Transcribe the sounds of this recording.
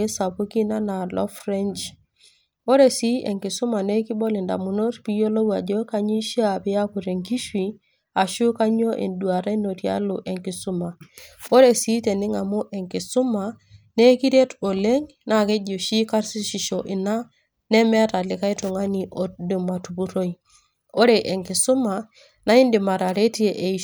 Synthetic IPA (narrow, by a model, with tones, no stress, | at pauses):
e˦sa˨pu˦ki˦na˦na˨lɔ̰˦fɾɛ˦nt͡ʃ | o˦ɾe˨si˦ʔe˨ŋki˨su˦ma˨ne˦ki˦bo˦li˨nda̰˨mu˨no˦tpi˦jo˦lo˦wa˨d͡ʒo˦ka˦ɲi˦ʃi˦a˨pi˦a˦ku˨ɾe˨ŋki˦ʃwi˨ | a˨ʃu˦ka˦ɲo˦ʔḛ˨ndu˨a˨ɾe˦no˨tja̰˦lo˨ʔe˨ŋki˨su˦ma˨o˦ɾe˨si˦te˨nɪ˦ŋa˨mu˦ʔe˨ŋki˨su˦ma˨ne˦ki˦ɾe˦to˨le˦ŋ | na˨ke˦d͡ʒu˨ʃi˦ka˦ɾsi˦ʃi˨ʃo˨ʔi˨na˦ | nɛ˦mɛ˦ta˨lɪ˨ka˦i˦tu˨ŋa˦ni˨ʔo˨du˨ma˨tu˨pu˦ɾo˦i˨ | o˦ɾe˨ʔe˨ŋki˨su˦ma˨ | na˦i˦ndi˨ma˨ɾa˨ɾe˦ti˦e˨ʔe˨